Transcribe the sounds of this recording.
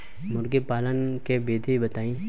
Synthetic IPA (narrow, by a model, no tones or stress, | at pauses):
mʊɾɡepaːlənkebeːd̪ʱebət̪aːĩː